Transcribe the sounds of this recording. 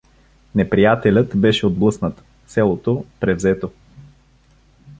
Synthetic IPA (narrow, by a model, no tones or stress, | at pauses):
nɛpɾijat̪ɛlʲət̪bɛʃɛod̪̚blˠɤsnət̪ | sɛlˠot̪opɾɛvzɛt̪o